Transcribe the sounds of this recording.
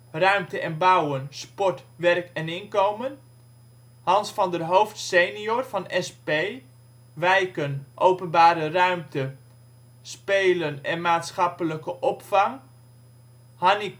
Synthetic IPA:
rœɥmtəʔɛnbawənspɔtʋɛrkɛnɪnkowmən | hɑnsfɑndərɦowftsejniorvɑnɛspej | ʋɛjkənʔowpənbaːɾərœɥmtə | spejlənɛnmaːtsχɑpələkəʔɔpfɑŋ | hɑni

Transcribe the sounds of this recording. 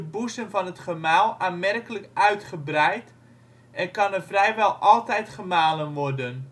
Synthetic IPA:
əbusənvɔnətχəmaːlˠaːnmɛrkələkœɥtχəbrɛjt | ɛnkɑnərfrɛjʋɛlˠʔɔlˠtɛjtχəmaːlənʋɔrdən

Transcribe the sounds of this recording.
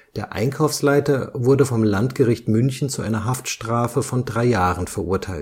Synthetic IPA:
d̥eːɐʔa̰ɪnkʰaʊfslaɪtɐvʊɐdəfɔmlantɡ̥əʁɪçtmʏnçn̩t͡suʔa̰ɪnɐɦaftʃtʁ̥aːfəfɔndʁaɪjaːʁənfɛɐʔʊɐtʰaɪlt

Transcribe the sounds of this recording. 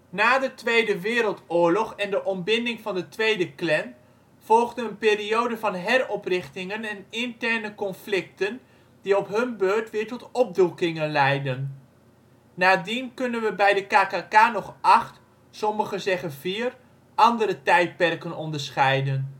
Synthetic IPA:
naːdətʋejdəʋɪːɾəlˠtʊːɹlɔχɛndəʔɔmbɪndɪŋvɑndətʋejdəklɛn | v̥ɔlˠχdənənpɪːriowdəvɑnɦɛrɔprɪχtɪŋənɛnɪntɛɹnəkɔnflɪk̚tən | diɔpɦɵnbøːɹtʋɪːɹtɔtɔp̚dukɪŋənlɛjdən | aːdinkɵnənʋəbɛjdəkaːkaːkaːnɔχʔɑχt | sɔməχəzɛχənviːr | ʔɑndəɾətɛjt̚pɛrkənɔndəɹsχɛjdən

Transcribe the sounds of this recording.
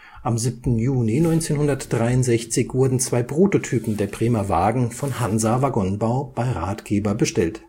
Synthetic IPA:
ʔamzip̚tn̩juːlinɔʏnt͡seːnhʊndɐtd̥ʁaɪʊntz̥ɛçt͡sɪçv̥ʊɐdn̩t͡sv̥aɪpʁ̥uːtotʰyːpn̩deːɐpʁ̥eːmava̰ːɡŋ̩fɔnhanzavaɡɔnbaʊb̥aɪʁaːtɡ̥eːbɐbəʃtɛlt

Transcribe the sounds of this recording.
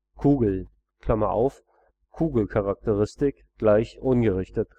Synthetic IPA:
kʰuːɡl̩ | kʰl̥amɐʔa̰ʊf | kʰuːɡl̩kʰaʁak̚təʁɪstɪk | ɡ̥laɪçʔʊnɡəʁɪçtət

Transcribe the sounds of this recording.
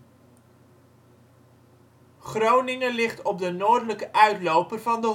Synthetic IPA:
χrownɪŋəlɪχtɔp̚dənoːrdələkəʔœɥtlowpərvɑndə

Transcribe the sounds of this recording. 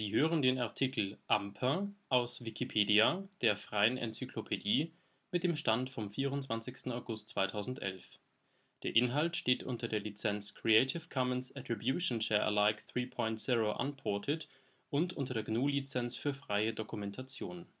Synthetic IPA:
z̥iːɦøːʁəndeːnaɐtʰikʰl̩ʔampʰɐʔaʊsv̥ikʰipʰeːdiad̥eːɐfʁ̥aɪənʔɛ̰nt͡sykʰlopʰediː | mɪt̚d̥eːmʃtantfɔmfiːʁʊntt͡sv̥ant͡sɪçstn̩aʊɡʊst̚t͡sv̥aɪtʰaʊzn̩tʔɛ̰lf | d̥eːɐʔɪnɦaltʃteːtʔʊntɐdeːɐlit͡sɛnt͡skʰʁ̥ieɪtʰɪfkʰɔmənsɛtʁ̥ibjuːʃonʃɛɐʔə̰laɪkθʁiːpʰɔ̃ʏntz̥iʁoʔa̰npʰɔɐtʰɪt | ʔʊntʔʊntɐdeːɐɡnuːlit͡sɛnt͡sfyːɐfʁ̥aɪədokumɛntʰat͡sjoːn

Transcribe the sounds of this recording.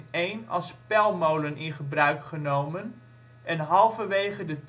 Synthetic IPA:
ejnɑ̰lˠspɛlˠmowlənʔɪnχəbrœɥkχənowmən | ɛnɦɑlˠfəʋejχədət

